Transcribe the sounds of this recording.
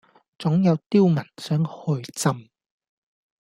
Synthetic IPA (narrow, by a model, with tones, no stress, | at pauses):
t͡sʊ˨˥ŋjɐ˨˧wt̪iː˥wmɐ˨˩nsœː˨˥ŋhɵ˧ɥt͡sɐ˧m